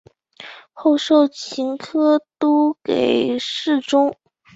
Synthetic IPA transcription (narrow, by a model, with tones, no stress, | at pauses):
xo˥˧ʊʂo˥˩ʊt͡ɕʰi˧˥ŋkʰɤ˥t̪o˥ke˨˩ɪɪʂɻ̩˥˩ʈ͡ʂʊ˥ŋ